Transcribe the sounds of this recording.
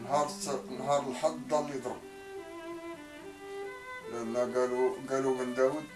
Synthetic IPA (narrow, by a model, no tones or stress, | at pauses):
nɦɑɾˤnɦɑɾˤəlħɑd̪d̪ˤɑlːid̪ˤɾˤəb | lənːæɡæluɡælumənd̪æwud̪̚